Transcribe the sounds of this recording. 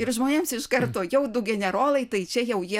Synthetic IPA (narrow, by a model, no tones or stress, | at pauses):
ɪɾʒmoːnʲeːmsɪʃkɐrt̪oːjɛʊd̪ʊɡʲɛnʲɛɾoːlˠɐɪt̪ɐɪt͡ʃʲɛjɛʊjiɛ